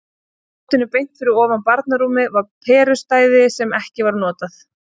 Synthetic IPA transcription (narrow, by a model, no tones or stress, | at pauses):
t̪ɪnʏpejn̥t̪fɪɾɪɾɔːvanpaɾt̪naɾuːmɪvaɾpʰɛːɾʏst̪aːjðɪsɛmɛhcɪvaɾnɔːt̪aθ